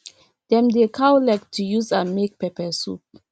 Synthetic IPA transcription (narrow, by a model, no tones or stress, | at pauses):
dɛ̃mdekʰawlɛk̚tʰːujuzãnmek̚pɛpɛsṵp̚